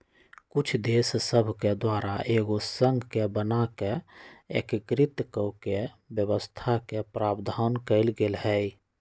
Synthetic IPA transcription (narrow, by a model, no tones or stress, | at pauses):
kut͡ʃʰd̪eːssəbʱked̪waːɾaʔeːɡosəŋɡkebənakeḛkkɾɪt̪kəke | bjəbəst̪ʰakepɾaːbd̪ʱankəɪlɡelhɛj